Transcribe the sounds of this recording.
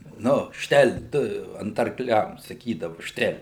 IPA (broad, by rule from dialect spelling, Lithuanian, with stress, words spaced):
ˈnʊ ˈʃʲtʲɛlʲ ˈtʊ ɐnt ɐrkˈlʲɛm sɐˈkʲiːdɐʋʊ ˈʃʲtʲɛlʲ